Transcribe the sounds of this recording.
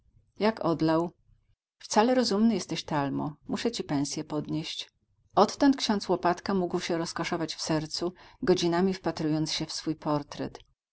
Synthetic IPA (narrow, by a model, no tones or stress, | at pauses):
jakʰɔd̪law | ft̪salɛɾɔzumnɘjɛst̪ɛɕt̪almɔ̰muʂɛt͡ɕipɛ̃w̃sʲjɛpɔd̪ɲeɕt͡ɕ | ɔt̪ːɔnt̪̚kɕɔ̃nt̪swɔpat̪kamuɡwɕɛɾɔskɔʂɔvat͡ɕfsɛɾt̪suɡɔd͡ʑinamʲifpat̪ɾujɔnt̪sɕɛfsfujpʰɔɾt̪ɾɛ̰t̪